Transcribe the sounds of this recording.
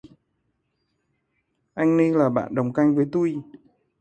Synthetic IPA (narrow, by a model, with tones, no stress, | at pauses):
ʔa˧jŋ̟ni˧laː˨˩ɓa̰ː˧˨nɗə˨˩wŋ͡mka˧jŋ̟vəː˨˦jt̪u˧j